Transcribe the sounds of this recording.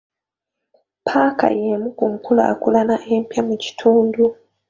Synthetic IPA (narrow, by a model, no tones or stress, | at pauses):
pʰaka̰jemukuŋkula̰kulanaʔe̞ːmpjamuci̥tʰuːndu